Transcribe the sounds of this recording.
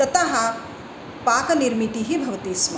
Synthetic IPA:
t̪ɐt̪ɐɦɐ | paːkniɾmit̪iɦibʱɐʋɐt̪iːsmɐ

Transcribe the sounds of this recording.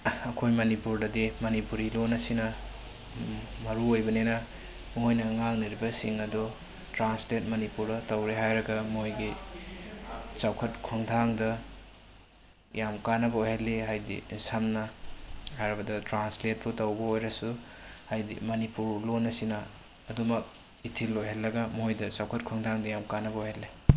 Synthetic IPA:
ɐkʰojmɐnipuɾdɐdimɐnipuɾilonːɐsinɐ | mɐɾuojbɐnenɐ | mojnɐŋaŋnɐɾibɐsiŋɐdɔ | tɾanslet̚mɐnipuɾɐtɐwɾeɦajɾɐɡɐmojɡi | t͡ʃawkʰɐt̚kʰoŋtʰaŋdɐ | jamkanːɐbɐojhelːiɦajdḭsamnɐhajɾɐbɐdɐtɾanslet̚bʰutɐwbɐojɾɐsuhajdḭmɐnipuɾlonːɐsinɐː | dumɐk̚ | itʰilːojɦelːɐɡɐmojdɐt͡ʃawkʰɐt̚kʰoŋdʰaŋdɐjamkanɐbɐojhelːe

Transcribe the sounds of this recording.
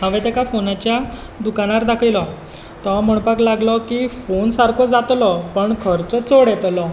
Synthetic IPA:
ɦãʋɛt̪ɛkafonat͡ɕja | d̪ukañaɾd̪akʰilɔ | t̪ɔm̤əɳ̃paɡlaɡlɔkifonsaɾkʰɔd͡zat̪lɔpəɳkʰəɾt͡sɔt͡soɽɛt̪lɔ

